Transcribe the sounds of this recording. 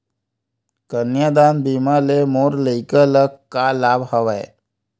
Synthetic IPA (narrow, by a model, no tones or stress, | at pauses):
kənjad̪aːnbimalemoːɾləɪkələkkːalaːbhəʋae